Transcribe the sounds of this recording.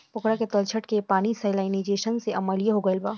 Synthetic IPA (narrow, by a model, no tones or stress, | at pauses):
pʊkɽaket̪ɐlt͡ʃʰəʈkepaːnisaɪlaːɪnid͡ʒeːʃənseʔɐməlijaɦoɡəɪlbaː